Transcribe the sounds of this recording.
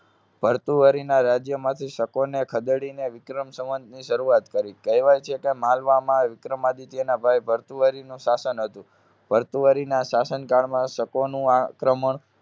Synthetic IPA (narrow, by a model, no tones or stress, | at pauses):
bʱəɾt̪uʋəɾinaɾad͡ʒjəmãt̪ʰiʃəkonekʰəd̪ɽineʋɪkɾəmsə̃mənd̪niʃəɾuat̪kəɾikəjʋajt͡ʃʰekemãlʋamãʋɪkɾəmad̪it̪ienabʱajbʱəɾt̪uʋəɾinũʃasənɦət̪ũ | b̥ʱəɾt̪uʋəɾinaʃasənkaɭmãʃəkonũakɾəməɳ